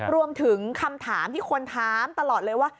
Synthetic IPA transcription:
ɾu˧əmt̪ʰɯ˨˩˦ŋkʰa˧mt̪ʰaː˩˦mt̪ʰiː˥˩kʰo˧nt̪ʰaː˦˥mt̪a˧lɔː˨˩t̪̚lɤː˧jwaː˥˩

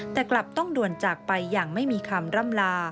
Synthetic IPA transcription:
t̪ɛː˨˩kla˨˩p̚t̪ɔ˥˩ŋdu˨˩ənt͡ɕaː˨˩k̚pa˧jːaː˨˩ŋma˥˩jmiː˧kʰaː˧mɾa˥˩mlaː˧

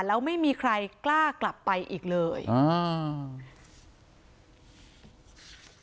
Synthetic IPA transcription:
lɛː˦˥wma˥˩jmiː˧kʰɾa˧jklaː˥˩kla˨˩pːa˧jʔiː˨˩k̚lɤː˧j

